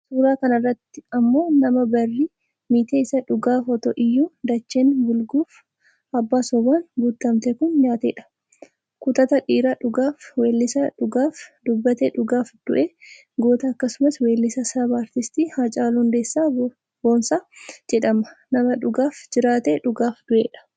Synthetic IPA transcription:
suːɾaːkɐnɐrːɐt̪ːɪɐmːo̞ːnɐmɐbɐrːiː | miːt̪eːɪsɐᶑʊɡaːfɔt̪o̰ːʔɪjːuːd̪ɐt͡ʃːeːnbʊlɡuːf | ʔɐbːaːsɔbaːnbuːt̪ːɐmt̪ɛkʊnɲaːt̪ḛːᶑɐ̥ | kʊt̪ɐt̪ɐᶑiːɾaːᶑʊɡaːfweːlːɪsɐᶑʊɡaːfd̪ʊbːɐt̪eːᶑʊɡaːfd̪̥ʊʔeː | ɡo̞ːt̪ɐːkːɐsʊmɐsweːlːɪsɐsɐbaːɾt̪ɪst̪iːhɐt͡ʃʼaːlhʊnd̪eːsːaː | boːnsaːd͡ʒɛᶑɐmɐnɐmɐᶑʊɡaːfd͡ʒɪɾaːt̪eːᶑʊɡaːfd̪ʊʔeːᶑɐ̥

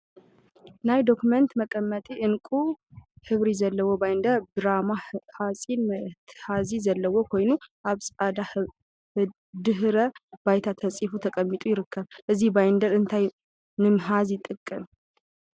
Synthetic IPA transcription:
najd̪o̞kumənt̪məkʼəmːət̪ʼiʔɨnkʼuhɨβɾizɐlːəwːobajnd̪əɾbɨɾamahasʼinmt̪ʰhazizəlːəwːokʰo̞jnuʔaβsʼad̪a | d̪ɨɦɾəbajt̪ʰat̪ʰəsʼifut̪ʰəkʼəmːit̪ʼujɪɾɨkːəβʔɨzːihbajnd̪əɾɨnt̪ʰaj | nɨmɦazjɪt̪ʼːɨkʼːɨm

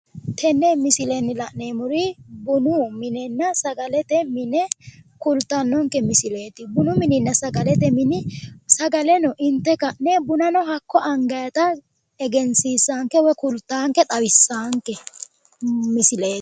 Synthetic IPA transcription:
t̪ʰɛnːɛmɪsɪlɛnːɪlɐʔneːmʊɾɪbʊnʊmɪnɛnːɐsɐɡɐlɛt̪ɛmɪnɛkʊlt̪ːɐnːɔŋkɛmɪsɪle̞ːt̪ːɪbʊnʊmɪnɪnːɐsɐɡɐlɛt̪ɛmɪnɪsɐɡɐlɛnɔʔɪnt̪ːɛkɐʔnɛbʊnɐnɔɦɐkːɔʔɐŋɡɐjɐt̪ɐ | ɛɡɛnsiːsaːŋkːɛwɔkʊlt̪ːaːŋkːɛt̪ʼɐwɪsːaːŋkːɛ | mɪsɪle̥ː

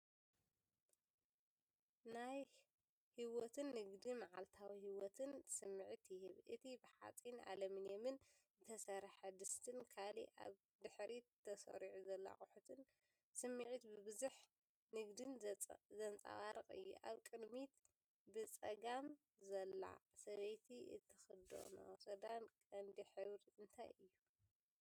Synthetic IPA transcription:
naj | hiwot̪ʰɨnːɨɡd̪imaʕalt̪ʰawihiwɔt̪ʰɨnsɨmːɨʕt̪jɪhɨβʔɨt̪ʰibɨħa̰t͡sʼina̰lɐmɨnjemɨn | zɨt̪ʰɐsɐɾħad̪ɨst̪ʰɨnkʰalḭʔa̰β | d̪ɨħɾit̪ʰɐsɐ̰ɾiʕuzɐlːa̰χʼʊħut̪ʰɨn | sɨmːiʕit̪bɨβɨzuħ | nɨɡd̪ɨnzɐnt͡sʼa̰waɾɨqʼɨ̰jːṵʔaβkʼɨd̪mit̪ | bɨt͡sʼɐɡam | zɐlːa̰sɐβɐjt̪ʰiɨ̰t̪ʰːɨxɨd̪o̰no̰sʼɐd̪ankʼɐnd̪iħɨβɾɨnt̪ʰa̰jʔɨjːu

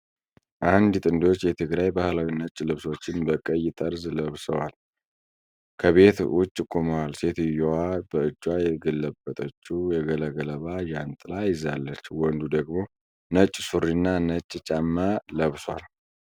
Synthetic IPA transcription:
ʔand̪t̪ʼɨnd̪o̞t͡ʃːjɛt̪ʰɨɡɾajbahlawinət͡ʃʼːlɨβsot͡ʃːɪnbəkʼəjːɪt̪ʼəɾzləβsəwal | kʰəβe̞t̪wʊt͡ʃʼːɪkʼːuməwalse̞t̪ɪjɛwabəɨd͡ʒːwajɛɡəlːəbːət̪ʼət͡ʃːujɛɡələɡələβajant̪ʼɨlajɪzalːət͡ʃːwɔnd̪ud̪əɡmo̞ | nət͡ʃʼːsuɾinːanət͡ʃʼːt͡ʃʼamːələβswa̰l

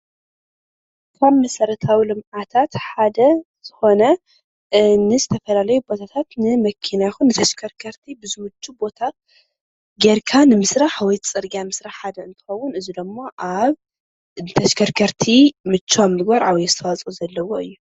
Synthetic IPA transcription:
kʰonmɐsɐɾɐt̪ʰawilɨmʕat̪ʰat̪ħad̪ɐ | z̥ɨxo̞nɐ | nɨzɨt̪ʰɐfɐlalɐjubo̞t̪ʰat̪ʰat̪nɨmɐkʰinaxunːɨt̪ʰɐʃkʰɐɾkʰɐɾt̪ʰibɨzɨwɨt͡ʃʰʼːubo̞t̪ʰat̪̚ | ɡeɾkʰanɨmɨsɾaħwɔjt̪t͡sʼɨɾɡiamɨsɾaħħad̪ɐɨnt̪ʰɨ̥xɐwːʊnɨzid̪ɐmːoʔaβ | nɨt̪ʰɐʃkʰɐɾkʰɐɾt̪ʰimɨt͡ʃːomɨɡbaɾʔawjzɨt̪ʰɐwat͡sʼuzɐlːɐwo̞ɨjːu

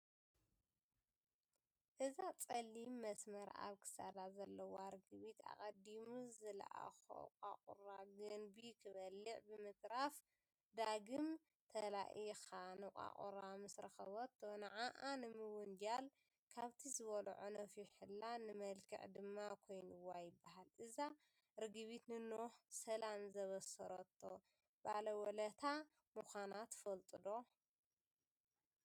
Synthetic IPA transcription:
ʔɨzat͡sʼɐlːimːɐsmɐɾa̰βkʰɨ̥sa̰d̪azɐlːɐwaɾɡɨβit̪a̰kʼɐd̪imuzɨl̰ʔa̰xo̰kʼa̰qʼṵɾaɡɨnbikʰɨβɐlːɨʕbɨmɨt̪ʼɾaf | d̪aɡɨm | t̪ʰɐla̰ʔixanɨkʼa̰kʼṵɾamɨsɾɐxɐβɐt̪ːonɐʕaʔanɨmɨwʊnd͡ʒal | kʰaβt̪ʰizɨβɐl̰ʕonɐfiħɨlːanɨmɐlkʰɨ̰ʕd̪ɨmːakʰo̞jnɨwajɪbːaɦalʔɨza | ɾɨɡɨβit̪nɨnoħsɐlamzɐβɐsɐɾɐt̪ʰːo | balɐwɔlɐt̪ʰa | muxʷanat̪fɐlt̪ʼɨd̪o

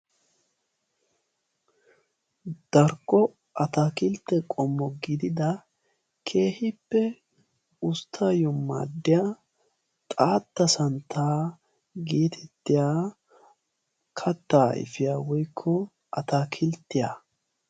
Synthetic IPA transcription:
d̪̥ɐɾkːɔ | ʔɐt̪akɪlt̪ːɛkʼɔmːɔɡɪd̪ɪd̪ɐ | kʰe̞ːhɪpːɛ | ʊst̪ʰːajɔmːa̰ːd̪ːɪja | t̪ʼaːt̪ːɐsɐnt̪ʰaː | ɡeːt̪ʰɛt̪ːɪjaː | kʰɐt̪ːaːʔɪ̰fɪjaːwɔjkʰːɔ | ɐt̪akʰɪlt̪ːɪja

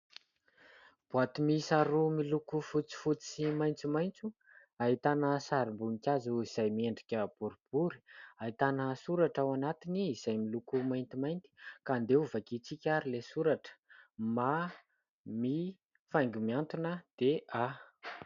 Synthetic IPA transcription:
b̥uat̪umisaɾumilukufut͡si̥fut͡si̥simajnt͡simajnt͡su | aɦit̪anəsaɾimbuŋikʲazuiz̥ajmieɳɖ͡ʐikʲəb̥uɾib̥uɾi̥aɦit̪anəsuɾaʈ͡ʂawanat̪iniːz̥ajmilukumajnt̪imajnt̪i̥kaːnd̪euvakit͡sikʲaɾilesuɾaʈ͡ʂə̥ma | mi | fajŋɡumiant̪unəd̪̥ea

